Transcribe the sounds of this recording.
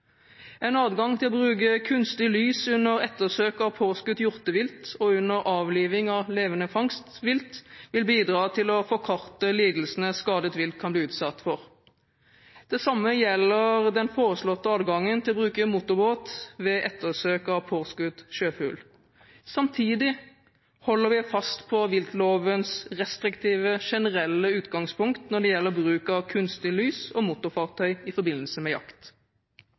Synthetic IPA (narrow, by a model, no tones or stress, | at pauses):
ɛnɑːd̪ɡɑŋt̪ʰɪlɔbʁʉːk̬əkʰʉnst̪ɪlyːsʉnːəʁɛt̪ːəʁsøːkɑʋpʰoːskʉt̪jʊʁt̪əʋɪlt̪ɔʉnːəʁʔɑːʋliːʋɪŋɑleːʋənəfɑŋst̪ʋɪlt̪ʋɪlbiːd̪ʁɑːt̪ʰɪlɔfɔkʰɑʁt̪əliːd̪l̩sənəskɑːd̪ət̪ʋɪlt̪̚kʰɑnbliːʉːt̪sɑt̪ːfɔʁ | d̪̥ɛsɑmːəjɛlːəʁd̪ɛnfoːʁəslɔt̪ːəɑːd̪ɡɑŋːənt̪ʰɪlɔbʁʉːkəmut̪ʊɾboːt̪ʋɛʔɛt̪ːəsøːkɑʋpʰoːʁskʉt̪ʃøːfʉ̰ːl | sɑmt̪ʰiːd̪ɪ | hɔlːəɾʋɪfɑst̪pʰɔʋɪlk̪loːʋənsʁɛst̪ɾɪkt̪ʰiːʋəʃɛnəɾɛlːəʉːt̪ɡɑŋspʰʊŋkt̪nɔɖ̪ɛjɛlːəʁɔbʁʉːkɑkʰʉnst̪ɪlyːsɔmut̪ʊfɑːʁt̪ʰœʏɪfɔbɪnːəlsəmɛjɑ̰kt̪